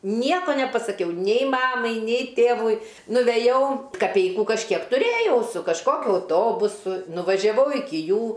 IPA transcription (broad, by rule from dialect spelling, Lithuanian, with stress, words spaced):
ˈnʲiɛkoː nʲɛpɐsɐˈkʲɛʊ nʲɛɪ ˈmɑːmɐɪ nʲɛɪ ˈtʲeːʋʊɪ nʊʋʲɛˈjɛʊ kɐˈpʲɛɪkuː kɐʃʲˈkʲiɛk tʊˈrʲeːjɛʊ sʊ kɐʃˈkoːkʲʊ ɐʊˈtoːbʊsʊ nʊʋɐʒʲɛˈʋɐʊ ˈɪkʲɪ ˈjuː